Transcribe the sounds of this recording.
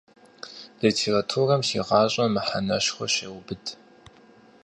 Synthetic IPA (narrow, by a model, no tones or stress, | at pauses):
litʰeːratʰurɐmʃiːʁɑːɕʼɐmɨħanɐɕχʷɔ̰ɕɐwbɨdʰ